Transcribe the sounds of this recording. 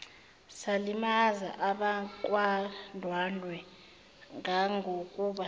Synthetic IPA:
salimaza̰ʔaɓakʼwandʱwanwɛ | ŋʱaŋʱokʼuɓa

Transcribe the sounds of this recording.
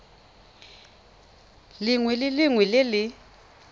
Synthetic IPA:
lɪŋwɛlɪlɪŋwɛlɪlɪ

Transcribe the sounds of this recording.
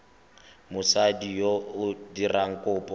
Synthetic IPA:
mʊsadijoʊdiraŋ̩kʼʊːpʼɔ

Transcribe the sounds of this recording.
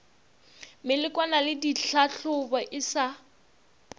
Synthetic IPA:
mɪlɪkʼwanalɪdiɬaɬʊbɔʔɪsa

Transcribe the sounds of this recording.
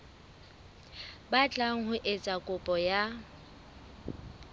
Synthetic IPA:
bat͡ɬʼaŋ̩ɦʊʔɪt͡sʼakʼʊpʼɔja

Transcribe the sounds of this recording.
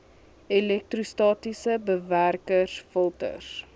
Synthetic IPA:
ɛlɛk̚trustɑːtisəbəværkəsfəlˠtə̰r

